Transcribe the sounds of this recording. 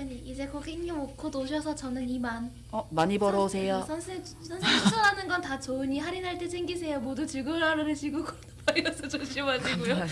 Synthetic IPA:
aɲiid͡ʑe̞kokeŋːimokʰotoɕʰʌsʰʌt͡ɕʌnɯniman | ʌmaɲibʌɾʌosʰejasʰʌnsʰe | sʰʌnsʰeŋt͡ɕʰusʰʌɾanɯnɡʌntat͡ɕoɯɲiɦaɾinɦaɭt͈esʰeŋɡisʰe̞jomodut͡ɕɯɭɡɯɯɭaɾɯɾeɕʰiɡokʌnbaiɾʌsʰʌt͡ɕoɕ͈imaɕʰiɡujo

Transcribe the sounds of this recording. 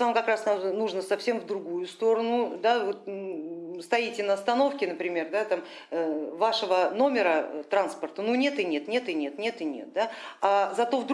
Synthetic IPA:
vamkɐkɾasnamnuʐnəsɐfsʲe̞mvd̪ɾʊɡujʊst̪o̞ɾənʊd̪avot̪̚ | st̪ɐjitʲɪnəɐst̪ɐno̞fkʲɪnəpɾʲɪmʲe̞rd̪at̪am | əvaʂəvəno̞mʲɪɾət̪ɾanspərt̪ənunʲe̞t̪ɨnʲe̞t̪nʲe̞t̪ɨnʲe̞t̪nʲe̞t̪ɨnʲe̞̰t̪̚d̪aazɐt̪o̞vd̪

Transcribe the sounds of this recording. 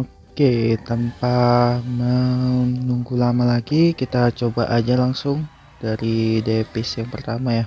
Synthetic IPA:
o | ket̪ampamənuŋɡulamalaɡikit̪at͡ʃoba̰ʔad͡ʒalaŋsʊŋ | d̥aɾidefɪsjaŋpərt̪amaja

